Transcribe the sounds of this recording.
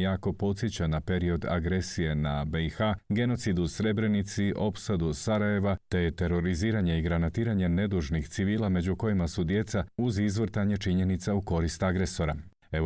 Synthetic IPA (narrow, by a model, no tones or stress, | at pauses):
jaːko̞po̞t̪sjet͡ɕanape̞ɾio̞d̪a̰ɡɾe̞sije̞nabeixaɡe̞no̞t̪sid̪usɾe̞bɾe̞nit̪siʔo̞psad̪usaɾaje̞ʋat̪e̞t̪e̞ɾo̞ɾiziːɾaɲe̞iɡɾanat̪iːɾaɲe̞ne̞d̪uʒnixt̪siʋiːlˠame̞d͡ʑuko̞jimasud̪je̞t̪sauzizʋr̩t̪aɲe̞t͡ʃiɲe̞nit̪sauko̞ɾist̪aɡɾe̞so̞ɾa | e̞